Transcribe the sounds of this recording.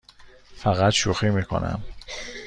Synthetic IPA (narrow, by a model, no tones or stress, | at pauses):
fæɣæt̪ʃuxiːmiːkʰo̰nʔæ̰m